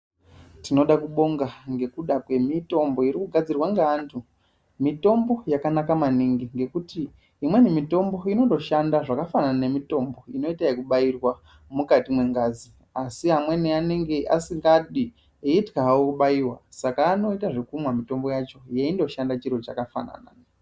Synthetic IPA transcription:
tino̞ɗakuɓo̞ŋɡaŋɡe̞kuɗakwe̞mito̞mbo̞iɾikuɡʱad͡zirwaŋɡeantʰu | mito̞mbo̞jakanakamaniŋɡiŋɡe̞kutiː | mwe̞nimito̞mbo̞ino̞to̞ʃandaʐakafanane̞mito̞mbo̞ino̞itaikuɓairwa | mukatimwe̞ŋɡaːzi | asiɦamwe̞neane̞ŋɡe̞ʔasiŋɡaɗi | eitkaɦwokuɓajiwasakaːno̞itaʐekumwamito̞mbo̞jat͡ʃojeindo̞ʃandat͡ʃirot͡ʃakafa̰na̰na̰na

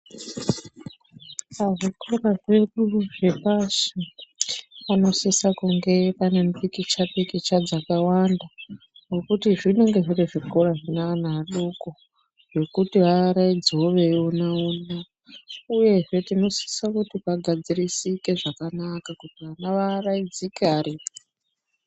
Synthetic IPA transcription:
paʐikoraʐe̞ɗuʐe̞pasi | pano̞sisakuŋɡe̞panenpikit͡ʃaɓikit͡ʃad͡zakawanda | ŋɡo̞kutiʐineŋɡe̞ʐiriʐikoɾaʐinaanaaɗuko | ʐe̞kutiʋaɾaid͡zo̞ʋe̞onauna | uje̞ʐe̞tino̞si̥sakutipaɡʱad͡zirisike̞ʐakanakakutiʋanaʋaraid͡zikarip

